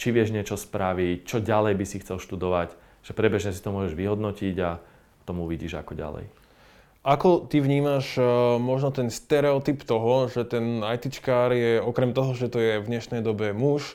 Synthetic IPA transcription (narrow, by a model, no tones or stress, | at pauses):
t͡ʃiʋɪɛʒɲɪɛt͡ʃɔspɾaʋict͡ʃɔɟalɛjbisixt͡sɛlˠʃt̪ud̪ɔʋac | ʒ̥ɛpɾɛbɛʒɲɛsi̥t̪ɔmʊɔʒɛʒʋiɦɔd̪nɔciɟa | t̪ɔmuuʋiɟiːʒa̰kɔɟa̰lɛ̰j | ʔakɔt̪iʋɲiːmaʒmɔʒnɔt̪ɛnst̪ɛɾɛɔt̪ipt̪ɔɦɔʒɛt̪ɛnajt̪it͡ʃkaːɾjɛɔkɾɛmt̪ɔɦɔʒɛt̪ɔjɛvɲɛʃnɛjd̪ɔbɛmuʃ